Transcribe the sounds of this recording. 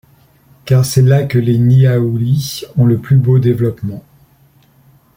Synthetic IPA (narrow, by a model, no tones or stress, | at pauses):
kaʁsɛlakəleniauliɔ̃ləplybod̪evlɔpmɑ̃